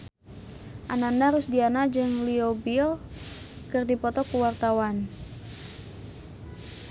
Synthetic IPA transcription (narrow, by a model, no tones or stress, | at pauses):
ʔanandaɾusdianad͡ʒɨŋliobil | kɨrdipɔt̪ɔkuwart̪awan